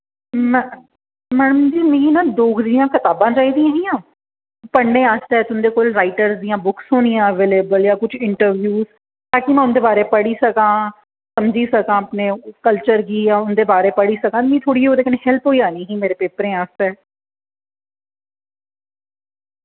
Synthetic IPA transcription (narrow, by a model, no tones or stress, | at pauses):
mɛ | mɛːnəmd͡ʒiːmĩːnãːd̪oːkʰd̪ijãːkʰət̪aːbãːt͡ʃaːiːd̪ijãːɦĩːãː | pəɳɖẽːaːst̪ːɛːt̪ʊnd̪eːkoːlɾaːɪʈəɾzd̪ijãːbʊksʊɽ̃ijãːəʋeːleːbəljaːkʊt͡ʃʰɪɳʈəɾʋʱjuːz | t̪ãːkimɛ̃ːʊnd̪eːbaːɾeːpəɽiːsəkãː | səmd͡ʒiːsəkãːəpneːkəlt͡ʃəɾɡiːjaːʊnd̪eːbaːɾeːpəɽiːsəkãːt̪mĩːt̪ʰoːɽiːɦoːd̪eːkəneːɦhɛlpɦoːiːaːniːɦiːmeːɾeːpeːpəɾẽːaːst̪eː